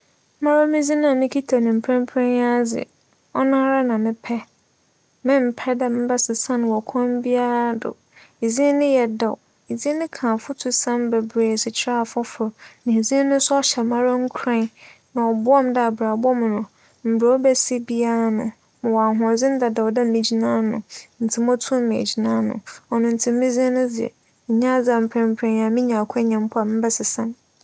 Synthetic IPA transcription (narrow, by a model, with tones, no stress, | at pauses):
mã˦ɾo˦mɪ̃˦d͡zi˦nã˦˨mɪ̃˦kʰi˦tʰa˨nɪ̃˨m̩˨pʰɾɛ̃˦m˦pʰɛ̃˦na˦d͡zɪ̰˨ | ɔ˦nã˦ɾa˦nã˨mɪ̃˦pʰɛ˦ | mɪ̃˦m̩˨pʰɛ˦da˦˨mɪ̃˦ba˦sɪ˨sã˦ñ˨wɔ˨kʰɔ̃˦m˦bi˦a˦ɾa˦dʊ̰˨ | e˨d͡zĩ˦nɪ̃˦jɛ˨dɔ˨w | e˨zĩ˦nɪ̃˦kʰã˨fʊ˦tʰʊ˨sã˦m˦bɛ˨bɾeː˨sɪ˨t͡ɕʰɾa˦˨fɔ˦fʊ˨nã˨e˨zĩ˦nʊ̃˦sʊ˦ɔ˦ɕɛ˨mã˦ɾa˦ŋ̩˦kʰɾã˦n | nã˨ɔ˨bʊ˦ɔ˦mda˨bɾa˨bɔ˦mʊ̃˨nʊ̃˨ | m̩˨bɾa˨wɔ˦bɛ˦si˦bi˦a˦nʊ̃˨ | mã˨wɔ˨a˨ɦʊ̃˨d͡zɪ̃˦n˦da˨da˨wda˦m̩˦mĩ˨d͡ʑi˨nãː˦nʊ̰̃˨n̩˨tʰɪ˨mɔ̃˦tʰʊ̃˦me˨d͡ʑi˨nã˦nʊ̰̃˨ɔ˨nʊ̃˨n̩˨tʰɪ̃˨m̩˦mɪ̃˦zĩ˦nʊ̃˦d͡zɪ˨ɛ̰˨ | ɲã˦d͡za˨m̩˨pʰɾɛ̃˨m̩˨pʰɾɛ̃˨na˨mĩ˦ɲã˨kʷʰɛ˦ɲã˨m˦pʰɔ˦a˨mɪ̃˦bɛ˦sɪ˨sã˦m